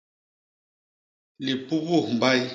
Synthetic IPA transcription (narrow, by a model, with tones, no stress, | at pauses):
li˨pu˦bu˦˨m˨ba˦j